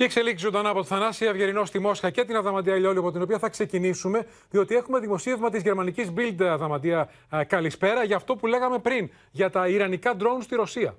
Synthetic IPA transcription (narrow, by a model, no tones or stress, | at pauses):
ciekse̞liksizod̪ɐnɐpo̞t̪oθɐnɐsievʝe̞ɾino̞st̪imo̞sxɐce̞t̪inɐðɐmɐd̪iɐʎoliɐpo̞t̪ino̞piɐθɐkse̞cinisume̞ | ðio̞t̪ie̞xume̞ðimo̞sievmɐt̪izʝe̞ɾmɐnicizbild̪ɐðɐmɐd̪iɐ | kɐlispe̞ɾɐʝɐːft̪o̞pule̞ɣɐme̞pɾin | ʝɐt̪ɐiɾɐnikɐd̪ɾo̞unst̪iɾo̞siɐ̰